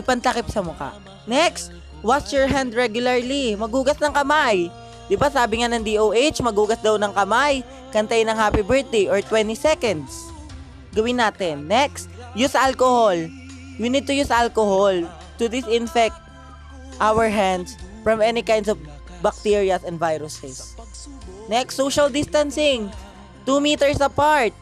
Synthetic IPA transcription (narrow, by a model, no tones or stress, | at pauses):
ɪpɐnt̪ɐkɪp̚sɐmʊka̰ʔ | nɛkst̪ | wasjɔɹɦand̪ɹɛɡjʊlɐɹlimɐɡuːɡɐsnɐŋkɐmaj | d̪ɪbasaːbɪŋanɐŋd̪iʔowʔejt͡ʃmɐɡuːɡɐsd̪ɐwnɐŋkɐmaj | kɐnt̪ajɪnɐŋhaːpibɛɹt̪̚d̪ejʔoɹt̪wɛnt̪isɛkɐ̃nd̪s | ɡɐwɪnːaːt̪ɛnːɛkst̪ | jʊsɐʔalkohol | junid̪̚t̪ʊjusɐʔalkohol | t̪ʊd̪ɪsɪnfɛk̚t̪̚ | ʔawəɹɦand̪sfɹɐmɛnikãjnd̪sɔv | bɐk̚t̪iɹiɐsɛ̃nd̪vajɾʊsɛs | nɛksːowʃɐld̪ɪst̪ɐnsɪŋ | t̪umiːt̪ɛɹsɐpaɹt̪̚